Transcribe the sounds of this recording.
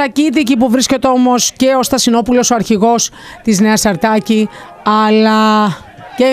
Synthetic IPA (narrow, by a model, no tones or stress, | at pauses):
ɐcit̪̬icipuvɾisce̞t̪eo̞mo̞sce̞o̞st̪ɐsino̞pulo̞soɐɾçiɣo̞s | t̪izneɐsɐɾt̪ɐci | ɐlɐ | ce